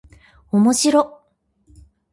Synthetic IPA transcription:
omo̞ɕiɾo

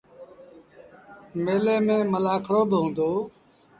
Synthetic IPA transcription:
meːleːmẽːməlaːkʰɽoːbɪɦõːnd̪oː

